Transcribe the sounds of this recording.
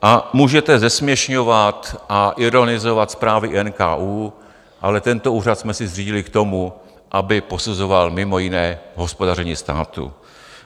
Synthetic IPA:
ʔamuːʒɛt̪ɛzɛsmɲɛʃɲovat̪ʔaʔɪɾo̞nɪzovat̪spɾaːvɪʔɛnka̰ːʔuː | ʔalɛt̪ɛnt̪oʔuːrat̪smɛsɪzr̝iːɟɪlɪkt̪o̞mu | ʔabɪpo̞suzovalmɪmo̞jɪnɛːɦo̞spo̞darɛɲiːst̪a̰ːt̪ṵ

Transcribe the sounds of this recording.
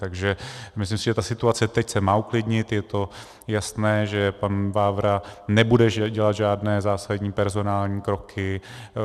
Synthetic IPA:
t̪aɡʒɛmɪslɪmsɪʒɛt̪asɪt̪uat͡sɛt̪ɛcsɛmaːuklɪdɲɪt̪jɛt̪o̞ | jasnɛːʒɛpanvaːvɾanɛbudɛʒɟɛlad̪ʒaːdnɛːzaːsadɲiːpɛɾzo̞naːlɲiːkɾo̞kʰɪ

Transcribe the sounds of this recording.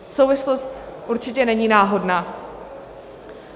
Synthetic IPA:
sowvɪslost̪ʔuɾt͡ʃɪcɛnɛɲiːnaːɦo̞dnaː

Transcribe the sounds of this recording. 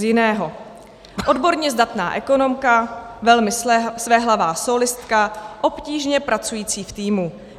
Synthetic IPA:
jɪnɛːɦo̞ | ʔo̞dbo̞ɾɲɛzdat̪na̰ːʔɛko̞no̞mkavɛlmɪsvɛɦlavaːsolɪst̪kaʔo̞pciːʒɲɛpɾʔat͡sujiːt͡siːft̪iːmu

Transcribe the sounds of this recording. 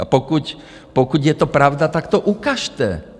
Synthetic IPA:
apɔkuc | pɔkuɟjɛt̪ɔpɾaʊd̪at̪akt̪ɔʔukaʃt̪ɛ̰

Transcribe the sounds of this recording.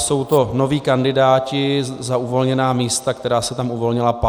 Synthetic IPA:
so̞wt̪o̞no̞viːkandɪdaːcɪzaʔuvo̞lɲɛnaːmiːst̪ak̚t̪ɛɾaːsɛt̪amʔuvo̞lɲɪlap

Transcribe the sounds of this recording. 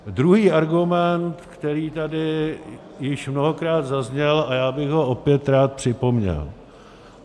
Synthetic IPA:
dɾuɦiːʔaɾɡumɛnt̪kt̪ɛɾiːt̪adɪ | jɪʃmnoɦokɾaːd̪zazɲɛlajaːbɪɣɦo̞ʔopjɛt̪ɾaːt̪̚pr̥ɪpo̞mɲɛ̰l

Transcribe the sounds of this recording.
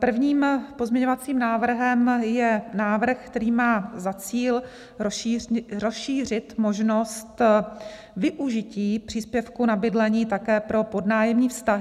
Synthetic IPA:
pr̩vɲiːmpo̞zmɲɛɲo̞vat͡siːmnaːvr̩ɦɛmjɛnaːvr̩xkt̪ɛɾiːmaːzat͡siːl | ɾosʃiːr̝ɪt̪mo̞ʒnost̪ | vɪʔuʒɪciːpr̝̥iːspjɛfkunabɪdlɛɲiːt̪akɛːpɾo̞po̞dnaːjɛmɲiːfst̪aɦɪ

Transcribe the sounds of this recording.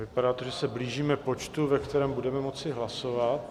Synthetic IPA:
vɪpadaːt̪oʒɛsɛbliːʒiːmɛpo̞t͡ʃt̪uvɛkt̪ɛɾɛːmbudɛmɛmo̞t͡sɪɦlaso̞vat̪̚

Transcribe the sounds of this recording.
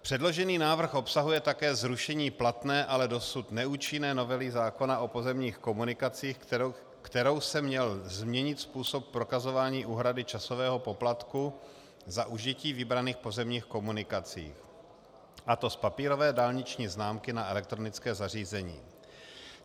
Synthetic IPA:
pr̥ɛdlo̞ʒɛniːnaːvr̩xʔo̞psaɦujɛt̪akɛːzɾuʃɛɲiːplat̪nɛːʔalɛdo̞sut̪nɛuːt͡ʃɪnɛːno̞vɛlɪzaːko̞naʔopo̞zɛmɲiːxko̞munɪkat͡siːx | kt̪ɛɾo̞wsɛmɲɛlzmɲɛɲɪt̪spuːso̞p̚pːɾo̞kazo̞vaːɲiːʔuːɦɾadɪt͡ʃaso̞vɛːɦo̞po̞plat̪ku | zaʔuʒiciːvɪbɾaniːxpo̞zɛmɲiːxko̞munɪkat͡sḭːx | ʔat̪o̞spapiːɾovɛːdaːlɲɪt͡ʃɲiːznaːmkɪnaʔɛlɛk̚t̪ɾo̞nɪt͡skɛːzariːzɛɲḭː

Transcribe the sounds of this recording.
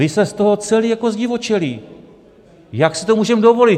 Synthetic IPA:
ɪsɛst̪o̞ɦot͡sɛliːjako̞zɟɪvo̞t͡ʃɛliː | jaksɪ̥t̪omuːʒɛmdovo̞lɪt̪

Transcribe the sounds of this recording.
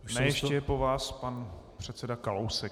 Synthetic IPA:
nɛjɛʃcɛɛpovaːspanpr̝̥ɛt̪sɛdakalowsɛ

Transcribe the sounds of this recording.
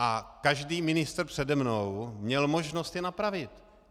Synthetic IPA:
ʔakaʒdiːmɪnɪst̪rpr̥ɛdɛmnowmɲɛlmo̞ʒno̞st̪jɛnapɾavɪt̪

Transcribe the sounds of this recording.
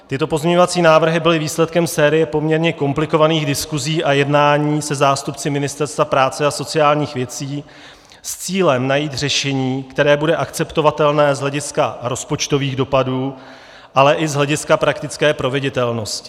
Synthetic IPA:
t̪ɪt̪o̞po̞zmɲɛɲo̞vat͡siːnaːvr̩ɦɪbɪlɪviːslɛt̪̚kɛmsɛːɾɪjɛpo̞mɲɛɾɲɛko̞mplɪko̞vaniːɣdɪskuziːʔajɛdnaːɲiːsɛzaːst̪upt͡sɪmɪnɪst̪ɛɾst̪vapɾaːt͡sɛaso̞t͡sɪjaːlɲiːxvjɛt͡siː | st͡siːlɛmnajiːt̪r̝ɛʃɛɲiːkt̪ɛɾɛːbudɛʔakt͡sɛpt̪o̞vat̪ɛlnɛːzɦlɛɟɪskaɾo̞spo̞t͡ʃt̪o̞viːɣdo̞paduː | ʔalɛʔɪzɦlɛɟɪskapɾakt̪ɪt͡skɛːpɾo̞vɪɟɪt̪ɛlno̞scɪ̥

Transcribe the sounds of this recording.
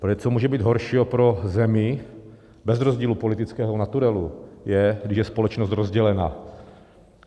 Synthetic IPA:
pɾoɛt͡somuːʒɛbiːd̪ɦoɾʃiːɦopɾozɛmɪ | bɛzɾozɟiːlupolɪt̪ɪt͡skɛːɦonat̪uɾɛlujɛɡdɪʃjɛspolɛt͡ʃnost̪ɾozɟɛlɛna̰

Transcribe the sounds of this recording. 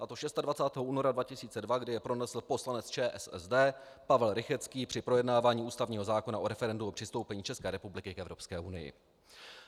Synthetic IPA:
ʔat̪o̞ʃɛst̪advat͡saːt̪ɛːɦouːno̞ɾadvacɪsiːt͡sɛdvaɡdɪjɛpɾo̞nɛsl̩po̞slanɛt͡st͡ʃɛːʔɛsɛ̰zdɛː | pavɛlɾɪxɛt͡skiːpr̥ɪpɾo̞jɛdnaːvaːɲiːuːst̪avɲiːɦo̞zaːko̞naʔo̞ɾɛfɛɾɛnduo̞pr̥ɪst̪o̞wpɛɲiːt͡ʃɛskɛːɾɛpublɪkɪkɛvɾo̞pskɛːʔunɪ̰jɪ̰

